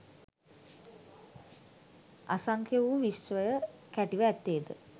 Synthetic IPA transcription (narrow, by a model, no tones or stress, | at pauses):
asaŋkʰjeʋuʋisʋəjəkæʈiʋəæt̪ːeːd̪ə